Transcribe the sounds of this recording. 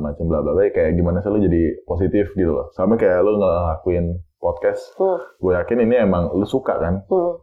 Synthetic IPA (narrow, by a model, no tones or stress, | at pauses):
mat͡ʃambəlablabajkajaʔɡimanasalod͡ʒadipos̬it̪ɪfɡit̪ula̰sampakajaʔloŋəlakuɪnpɔt̪̚kɛsɡojakɪniniemaŋlosuka̰kan